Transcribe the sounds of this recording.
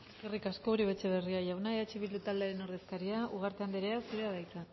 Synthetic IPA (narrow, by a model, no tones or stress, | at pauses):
eskerikasko̞uɾiβet͡ʃe̞β̞e̞riaʝawnaeat͡ʃiβild̪ut̪ald̪eaɾenoɾðe̞skaɾiauɣ̞aɾt̪eand̪eɾeaseɾeaðajt͡sa